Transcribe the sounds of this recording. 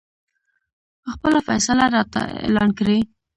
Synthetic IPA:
pəxpəlafasalaɾɑt̪a̰ḛlɑnkɾi

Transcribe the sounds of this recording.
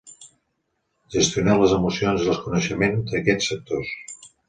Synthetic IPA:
ʒəst̪iunaləzəmusionzðəlˠskunəʃəmend̪əkɛt͡sːək̚t̪os

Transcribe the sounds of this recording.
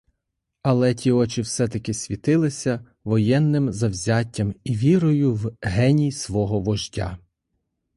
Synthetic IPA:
ɐlˠɛtʲiɔt͡ʃɪwsɛt̪ɐkɪsʲʋʲit̪ɪlˠɪsʲɐ | ʋɔjɛnːɪmzɐwzʲatʲːɐmiʋʲiɾɔjʊwɦɛnʲijsʋɔɦɔʋɔʒtʲa̰

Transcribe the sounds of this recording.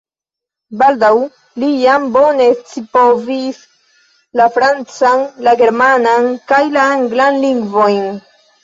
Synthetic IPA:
baldaw | lijambo̞ne̞t͡sipo̞vis | lafɾant͡sanlaɡe̞ɾmanankajlaaŋɡlanliŋɡvo̞jn

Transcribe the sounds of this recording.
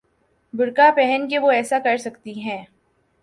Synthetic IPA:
bʊɽkapɛɦənkeʋoɛːsakɐɾsɐkt̪iɦɛ̃ː

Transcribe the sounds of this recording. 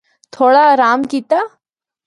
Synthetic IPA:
t̪ʰoːɽaɾaːmkit̪a

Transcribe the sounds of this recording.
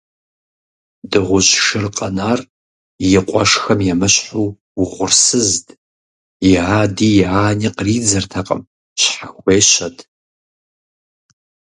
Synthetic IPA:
dɨʁʷʊɕʂɨrqʼɐnaːr | jɪqʷʼɔ̰ʂxɐmjɛmɨɕħuː | wʁʷʊrsɨzd | jɪaːdiːjaːniqriːd͡zɐrtʰɐqʼə̰m | ɕħaxʷeːɕɐdʰ

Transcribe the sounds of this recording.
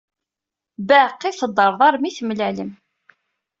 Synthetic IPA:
bæqːiθəd̪ˤːəɾˤðˤɑɾˤmiθəmlæləm

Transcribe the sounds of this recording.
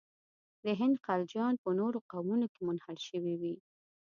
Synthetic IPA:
d̪əɦɪnd̪qald͡ʒjɑnpənoɾoqawmunokemʊnhaɽʃəwiwi

